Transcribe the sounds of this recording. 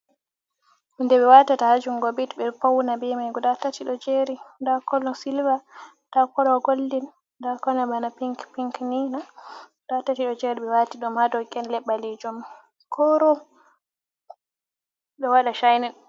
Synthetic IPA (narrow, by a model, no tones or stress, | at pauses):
mindɛɓɛwatatahad͡ʒuŋɡɔbitbɛpawnabɛmajɡudatatiɗɔd͡ʒeɾindakɔlɔsilva | takɔlɔɡoldin | dakɔnɛbanapiŋkpiŋkninaɡudatatiɗɔd͡ʒɛɾiɓɛwatiɗɔmadɔkɛnlɛɓːaled͡ʒum | kʰɔɾɔ | ɓɛwaɗaʃajnɛn